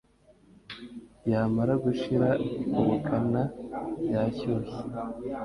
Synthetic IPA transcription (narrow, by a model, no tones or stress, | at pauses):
jaːmaɾaɡuʃiɾauβukʰanajaːcoːse̥